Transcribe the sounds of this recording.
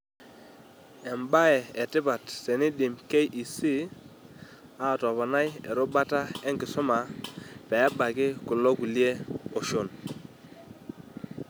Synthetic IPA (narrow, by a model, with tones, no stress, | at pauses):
ɛ˨mba˦ɛ˨ɛ˨tɪ˦ba˨tsɛ˨ni˦ɗi˨mke˦jʔi˨si˦ | a˦˨tɔ˨βa˨na˦jɛ̰˨ɾo˦ba˦ta˦ɛ˦ŋkɪ˨sɔ˦ma˨pɛ˨a˦ba˨kɪ˦ku˨lɔ˦ku˨li˦e˦o˨ʃo˦˨n